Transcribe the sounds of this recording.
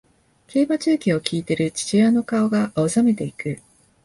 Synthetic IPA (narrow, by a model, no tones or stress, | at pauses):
ke̞ːbat͡ɕɨːkʲio̞kʲiːt̪e̞ɾɯ̟t͡ɕi̥t͡ɕiano̞kao̞ɡaʔaosame̞t̪e̞ikɯ̟